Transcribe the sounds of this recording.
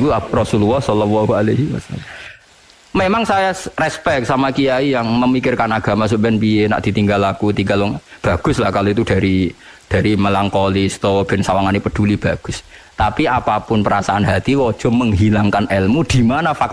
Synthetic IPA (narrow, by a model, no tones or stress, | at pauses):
kurɔsululːɔhsɔlɔlːɔɦualeɦiwas | memaŋsajarɛspɛk̪̚samakijaijaŋməmikɪrkanaɡ̥a̤mas̬upjanpijenaʔd̪̥i̤t̪iŋɡalakut̪iŋɡalɔŋb̥a̤ɡ̥ʊ̤slahkaloit̪̬ud̥a̤ɾi | d̥a̤ɾiməlaŋkɔlist̪ɔb̥ɛnsawaŋanipəd̥ulib̥a̤ɡ̥ʊst̪apiapapʊnpəɾasaʔanɦat̪iwɔd̥ʒ̥ɔ̤məŋɦilaŋkanʔɛlmud̥i̤manafak̚